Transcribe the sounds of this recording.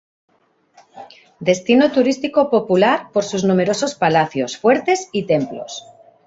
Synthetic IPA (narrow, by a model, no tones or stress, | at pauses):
d̪e̞st̪inot̪uɾist̪iko̞po̞pulaɾpo̞ɾsuznũme̞ɾo̞so̞spalaθjo̞sfwe̞ɾt̪e̞sit̪e̞mplo̞̰s